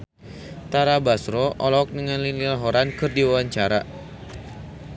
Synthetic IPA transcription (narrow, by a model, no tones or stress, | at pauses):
t̪aɾabasɾɔʔɔlɔk̚nəŋanlinilaɦɔɾankɨrdiwawaɲt͡ʃaɾa